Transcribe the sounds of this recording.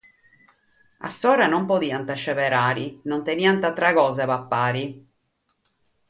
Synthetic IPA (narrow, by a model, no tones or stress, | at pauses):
a̰sːɔːɾanompod̪iːant̪at͡ʃːɛvɛɾaːɾinont̪eniant̪at̪ːɾaɣɔːzavapːaːɾi